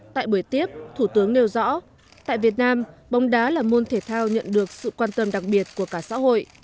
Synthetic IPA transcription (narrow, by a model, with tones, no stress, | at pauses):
t̪a̰ː˧˨jɓəː˧˩jt̪i˦˥əp̚t̪ʰu˧˩t̪ɨ˨˦əŋne˧wzɔ̰˧˥ | t̪a̰ː˧˨jvi˨˩ət̚naː˧mɓa˨˦wŋ͡mɗaː˨˦laː˨˩mo˧nt̪ʰe˧˩t̪ʰaː˧wɲə̰˧˨nɗɨ˨˩ək̚sɨ̰˧˨kwaː˧nt̪ə˧mɗa˨˩k̚ɓi˨˩ət̚ku˧˩əkaː˧˩sa̰ː˧˥ho̰˧˨jʔ